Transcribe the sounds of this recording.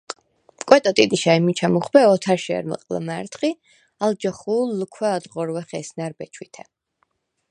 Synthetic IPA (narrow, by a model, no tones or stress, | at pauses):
kʼwɛt̪ʼɔt̪ʼid̪ʼiʃaimit͡ʃʰamuχbɛɔt̪ʰaɾʃɛ̰ɾmə̰qʼla̰maɾt̪χi | ald͡ʒɔχuːlːukʰwɛad̪ʁɔɾwɛχɛsnaɾbɛt͡ʃʰwit̪ʰɛ